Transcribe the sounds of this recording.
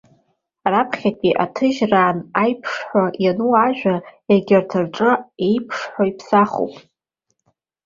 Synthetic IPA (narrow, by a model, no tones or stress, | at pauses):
rapʰχʲatʼiʔatʰɨʒraːnajpʰʂħʷajanuaʒᶣʷaeɡʲɪrtʰɨrʈ͡ʂʼɨejpʰʂħʷaipʰsaχo̰pʼ